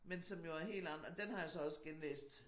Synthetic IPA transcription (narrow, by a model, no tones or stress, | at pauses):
mensɒ̽mjo̝æɐɦe̝̰ːld̥ɑn̩ˠɒ̽d̥enhɑ̈jo̝sɒ̽ɒ̽səɡ̥enlḛːsd̥